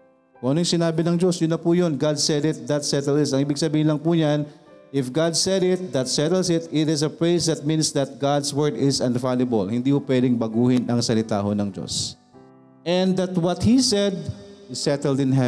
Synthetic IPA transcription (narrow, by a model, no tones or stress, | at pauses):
oʔɐnojsɪnaːbɪnɐŋd͡ʒosjʊnːɐpuːjonɡad̪sɛd̪ɪt̪̚d̪ɐt̪sɛt̪ɛld̪ɪsɐŋʔiːbɪɡ̚sɐbiːhɪnlɐŋpuːɲan | ʔɪfɡad̪̚sɛd̪ɪt̪̚d̪ɐt̪sɛt̪ɛlsɪt̪ɪt̪ɪs̬ɐpɹejsd̪ɐt̪̚mĩnsd̪ɐt̪̚ɡad̪swɛɹd̪ɪsɐ̃nvaljɐbɐlhɪnd̪iːhopwɛd̪ɪŋbɐɡuːhɪnʔɐŋsɐlɪt̪a̰ːɦonɐŋd͡ʒo̰s | ʔɛ̃nd̪ɐt̪wɐt̪hisɛd̪̚ɪsɛt̪ɛld̪ɪ̃nɦɛ